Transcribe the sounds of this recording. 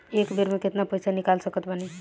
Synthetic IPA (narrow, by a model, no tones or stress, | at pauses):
ekbeɾmẽket̪napəjsʰanikalsəkət̪bəni